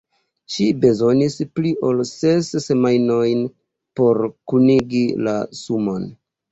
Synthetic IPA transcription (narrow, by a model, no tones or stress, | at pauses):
ʃibe̞zo̞nisplio̞lsesːe̞majno̞jn | po̞ɾkuniɡila̰sumo̞n